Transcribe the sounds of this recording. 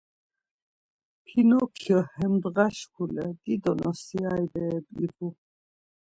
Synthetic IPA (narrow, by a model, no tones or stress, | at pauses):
pʰinɔkʰjɔhɛmd̪ɣaʃkʰulɛd̪̥id̪ɔnɔsiajbɛːbḭvu